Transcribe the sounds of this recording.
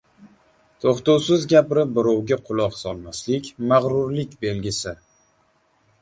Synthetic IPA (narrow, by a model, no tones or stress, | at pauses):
t̪ʰoχt̪ʊwsɪzɡʲapɾɪp̚bɪɾɒwɡʲaqʰʊlˠɒqsɒlˠmaslɪkʲmaʁɾʊɾlɪkʲbe̞lɡʲɪsɪ